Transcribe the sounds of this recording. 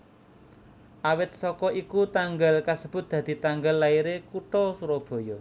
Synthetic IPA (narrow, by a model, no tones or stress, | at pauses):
ʔawɪt̪̚sɔkɔʔikut̪aŋɡəlkasəb̥ʊ̤t̪̚d̪̥ä̤d̪̥i̤t̪aŋɡəlːaiɾekuʈɔsuɾɔb̥o̤jɔ